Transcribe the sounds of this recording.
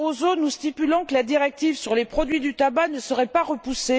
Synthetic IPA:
ozonust̪ipylɑ̃kəlad̪iʁɛk̚t̪ivsyʁlepχɔd̪ɥid̪yt̪abanəsəʁɛpaʁəpuse

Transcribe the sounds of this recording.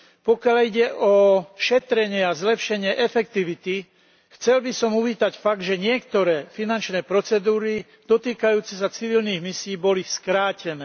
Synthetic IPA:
pɔkɪaliɟɛʔɔʃɛt̪ɾɛɲɪɛazlɛpʃɛɲɪɛʔɛfɛk̚t̪iʋit̪i | xt͡sɛlbisɔmuʋiːt̪acfaɡ̚d̪ʒɛɲɪɛkt̪ɔɾɛːfinant͡ʃnɛːpɾɔt͡sɛd̪uːɾi | d̪̥ɔt̪iːkajuːt͡sɛs̬at͡siʋilniːɣmisiiːbɔliskɾaːcɛnɛː

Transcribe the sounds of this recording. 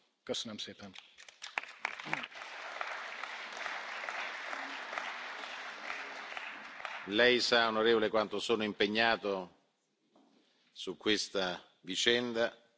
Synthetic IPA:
kəsːənəmsɛːpɛn | lɛjsaonoɾeːvolekwant̪osoːnoimpeɲːaːt̪o | sukːwest̪a | vit͡ʃɛnd̪a

